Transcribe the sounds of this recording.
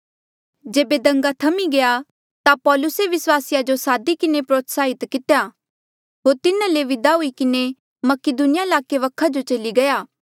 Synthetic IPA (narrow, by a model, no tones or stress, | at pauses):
d͡ʒeːbed̪ɐ̃ŋɡat̪ʰɐmiɡɐja | t̪apɔːlʊseʋɪswaːsɪjad͡ʒosaːd̪ikɪnepɾoːt̪ʰsaːɦɪt̪kɪt̪ja | ɦoːɾt̪ɪnaleʋɪd̪aɦʊikɪne | mɐkɪd̪unɪjaɪlaːkeʋɐkʰad͡ʒot͡ʃɐliɡɐjaː